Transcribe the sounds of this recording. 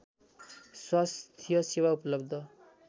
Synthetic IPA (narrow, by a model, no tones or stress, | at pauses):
swast̪ʰijʌsewaupʌlʌbd̪ʱʌ